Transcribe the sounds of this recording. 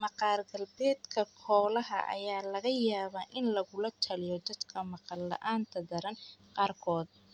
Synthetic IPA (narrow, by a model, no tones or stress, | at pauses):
mɑqɑːrɡɐlbɛːd̪kʰɐkʰɔːlɐɦɐ̰ʔɐ̰jaːlɐɣɐjaːβaːʔɪnlɐɣʊlɐt̪ʰɐlɪjɔd̪ɐd̪kʰɐmɑqɑlːɐ̰ʔaːnt̪ʰɐd̪ɐɾɐnqɑːrkʰɔːd̪̚